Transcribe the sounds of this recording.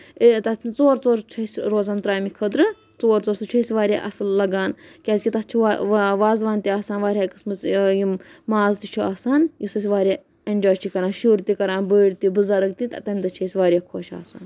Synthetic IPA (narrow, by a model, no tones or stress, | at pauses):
it̪ɐt̪ʰt͡soːɾt͡soːɾt͡ʃʰɐsʲɾoːzaːnt̪ɾaːjmikʰɐd̪ɾɨ | t͡soːɾt͡soːɾsɨt͡ʃʰɐjsʲʋaːɾʲja̰ːʔɐsɨllɐɡaːnkʲaːsʲkʲit̪ɐtt͡ʃʰuʋaːzʋaːnt̪ʲiaːsaːnʋaːɾʲjaːkɨsmɨt͡sjimmaːzt̪it͡ʃʰuaːsaːnjisɐs̬ʲʋaːɾʲja | ɐnʲd͡ʒaːt͡ʃʰikɐɾaːnʃuːɾt̪ikɐɾaːnbəːɽʲt̪ibɨzɐɾɐk̚t̪it̪ɐ̰t̪ɐmʲt̪ɐt͡ʃʰɐjsʲʋaːɾʲjaːkʰoːʃa̰ːsa̰ːn